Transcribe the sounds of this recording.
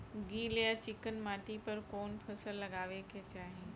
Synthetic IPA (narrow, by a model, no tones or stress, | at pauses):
ɡiːlejat͡ɕɪkənmaːʈipɐɾkoːnpʰɐsəlːɐɡaːʋekʰeːt͡ɕaːɦe